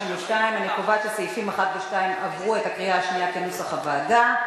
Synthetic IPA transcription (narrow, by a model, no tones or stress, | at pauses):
meʃtaimanekovat͡ʃesojfimaχat̪leʃtaimavʁuetakʁiaːʃnijakenusaχabaːda